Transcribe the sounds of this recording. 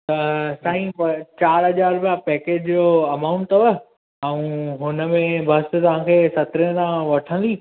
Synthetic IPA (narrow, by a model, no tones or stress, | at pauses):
t̪ɐsãːɦĩpɐt͡ɕaːɾɦɐd͡ʑaːɾbjapɛːkeːd͡ʑd͡ʑoːɐmãʊ̃ɳʈʋə | ɛ̃ũːɦʊnə̆mẽbʱɐst̪ɐʋ̤ãːkʰeːsɐt̪ɾẽt̪ãʋɐʈʰə̃nd̪iː